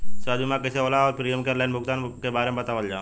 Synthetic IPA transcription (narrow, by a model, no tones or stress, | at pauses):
saːd̪imãkəseoːlaɔːɾpɾijəmkeɾlaɪnbʱʊkt̪aːnkebaːɾemẽbɐt̪aːʋəld͡ʒaː